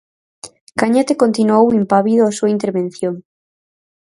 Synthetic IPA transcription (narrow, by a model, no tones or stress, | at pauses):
kaɲat̪ekont̪inuowimpaβiðoasuaint̪eɾβẽn̟θjoŋ